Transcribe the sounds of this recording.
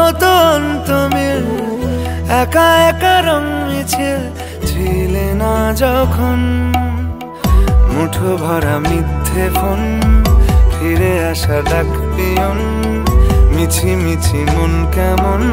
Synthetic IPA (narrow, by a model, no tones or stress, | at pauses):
ot̪ɔnt̪omeɾ | ɛkaɛkaɾɔŋmet͡ɕʰe | t͡ɕʰilenad͡ʒɔkʰon | muʈʰobʱɔɾamid̪ʰʱːefʰon | pʰiɾeaʃaɖ̪akʰ | p̪ijon | mit͡ɕʰimit͡ɕʰimonkɛmon